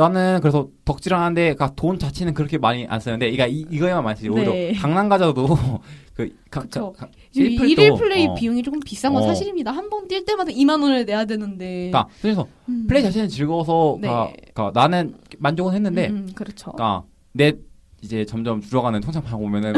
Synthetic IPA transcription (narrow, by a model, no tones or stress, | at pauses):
nanɯnkɯɾeʌtʌk̚t͡ɕ͈iɾɦanɯnde̞katont͡ɕat͡ɕʰenɯnkɯɾʌkʰe̞maɲiʔa̰ns͈ɯnːɯnde̞iɡaiːɡʌemanmans͈ɯmioiɾokaŋnaŋɡad͡ʑadokɯ | kaɯt͡ɕok | pʰɯɭiɾiɭpʰɯɭːeipijuŋit͡ɕok͈ɯmpis͈aŋɡʌsʰaɕʰiɾimɲidahanbʌndiɭt͈e̞matʰʌimanonene̞jadwe̞nɯnde̞kakɯɲesʰʌ | ɯɭːeit͡ɕaɕʰinɯnt͡ɕiɭɡʌsʰʌna̰kananɯnmand͡ʑoɡɯnhe̞nːɯnde̞kɯɾʌt͡ɕʰo̰k͈a̰ | ne̞ | id͡ʑe̞t͡ɕʌmd͡ʑʌmt͡ɕuɾʌɡanɯntʰoŋt͡ɕʰaŋpʰaaɡobomjʌnɯn